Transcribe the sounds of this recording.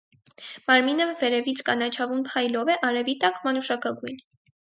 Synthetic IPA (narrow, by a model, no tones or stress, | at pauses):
mɑɾminəvɛɾɛvit͡sʰkɑnɑt͡ʃʰɑvumpʰɑjlɔvɛʔɑɾɛvit̪ɑkmɑnuʃɑkɑɡujn